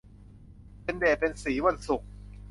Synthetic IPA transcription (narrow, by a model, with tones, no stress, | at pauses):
pe˧ndeː˨˩t̪̚pe˧nsiː˩˦wa˧nsu˨˩k̚